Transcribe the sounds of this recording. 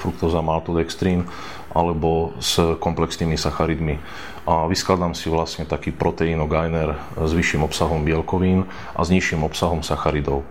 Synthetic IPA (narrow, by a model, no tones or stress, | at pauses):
fɾukt̪ɔzamalt̪ɔd̪ɛkst̪ɾiːn | ʔa̰lɛbɔz̥kɔmplɛksniːmisaxaɾid̪mi | ʔaʋisklad̪amsiʋlasɲɛt̪akiːpɾʔɔt̪ɛinɔɡajnɛɾ | zʋiʃːimɔpsaɦɔmbɪɛlkɔʋiːn | ʔa̰zɲiʃimɔpsaɦɔmsaxaɾid̪ɔʊ